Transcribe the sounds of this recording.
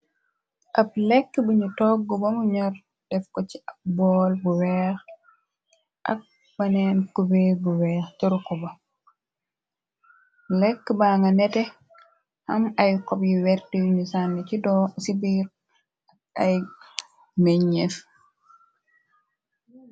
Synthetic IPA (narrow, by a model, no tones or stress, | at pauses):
ʔab̚lɛkːəbuɲutɔɡːɔbamuɲaɾ | d̥ɛfkɔt͡ʃiʔap̚bɔlbuwɛx | ʔa̰k̚ | banɛnkubebuwɛːxtɔɾkɔba | lɛkːəbaːŋɡanɛtɛ | hamajkɔbjiwɛɾtijɲusanːit͡ʃidɔsibiɾ | ak̚aj | meɲef